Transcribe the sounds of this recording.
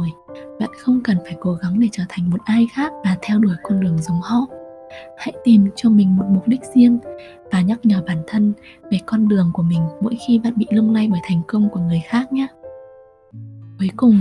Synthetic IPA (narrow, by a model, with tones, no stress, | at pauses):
jɓa̰ː˧˨nxə˧wŋ͡mkə˨˩nfaː˧˩jko˨˦ɣa˨˦ŋɗe˧˩t͡ɕəː˧˩t̪ʰa˨˩jŋ̟mo˨˩t̚ʔaː˧jxaː˦˥k̚vaː˨˩t̪ʰɛ˧wɗu˧˩əjkɔ˧nɗɨ˨˩əŋzə˨˦wŋ͡mhɔ̰˧˥ | ha̰˧˥jt̪i˨˩mt͡ɕɔ˧mï˨˩ŋ̟mo˨˩t̚mʊ˨˩k͡p̚ɗi˦˥k̟̚zi˧əŋ | vaː˨˩ɲa˦˥k̚ɲəː˧˩ɓaː˧˩nt̪ʰə˧n | ve˨˩kɔ˧nɗɨ˨˩əŋku˧˩əmï˨˩ŋ̟mo̰˧˥jxi˧ɓa̰ː˧˨nɓḭ˧˨lɨ˧ŋ͡mla˧jɓəː˧˩jt̪ʰa˨˩jŋ̟kə˧wŋ͡mku˧˩əŋɨ˨˩əjxaː˦˥k̚ɲaː˧˦ | ku˨˦jkʊ˨˩ŋ͡m